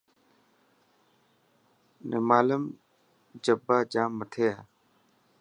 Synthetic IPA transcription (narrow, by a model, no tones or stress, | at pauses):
nʔḛmaːləm | d͡ʒəbːaːd͡ʒaːmːət̪ʰeːaː